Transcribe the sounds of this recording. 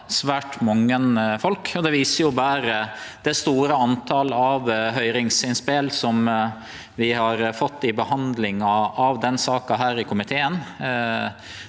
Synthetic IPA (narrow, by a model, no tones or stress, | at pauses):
sʋæːʈmɑŋːənfɔlkɔd̪ɛʋiːsəjʊbæːɾəd̪̥ɛst̪uːɾəɑnt̪ʰɑləɑʋɦœʏɾɪŋsɪnspeːlsɔm | ʋɪhɑɾfɔt̪ːɪbəhɑnd̪lɪŋɑɑʋd̪ɛnsɑːkɑɦæːɾɪkʰʊmɪt̪ʰeːən